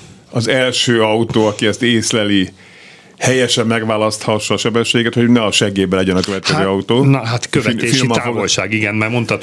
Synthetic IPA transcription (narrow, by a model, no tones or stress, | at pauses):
ɒzɛlʃøːɒut̪oːɒkiɛst̪eːslɛli | hɛjɛʃɛmːɛɡʋaːlɒst̪hɒʃːɒːʃɛbɛʃːeːɡɛt̪hoɟnɛɒʃɛɡeːbɛlɛɟɛnɒkøvɛt̪̚kɛzøːɒut̪oːnɦat̪køvɛeilmaolʃaːɡiɡɛnmɛrmo̞nt̪ɒt̪